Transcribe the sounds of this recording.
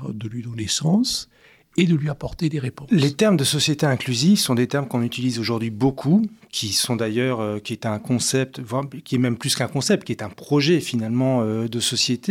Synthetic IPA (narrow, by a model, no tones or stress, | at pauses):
d̪əlɥid̪onesɑ̃s | ed̪əlɥiapɔʁt̪ed̪eʁepɔ̃let̪ɛʁmd̪əsɔsjet̪eɛ̃klyzifsɔ̃d̪et̪ɛʁmkɔ̃nyt̪ilizoʒuʁd̪ɥibokʰukʲʰisɔ̃d̪ajœʁøkʲiɛt̪ɛ̃kɔ̃sɛp̚t̪vwakʲiɛmɛmplyskɛ̃kɔ̃sɛp̚t̪̚kiɛt̪ɛ̃pχɔʒɛfinalmɑ̃ød̪əsɔsjet̪e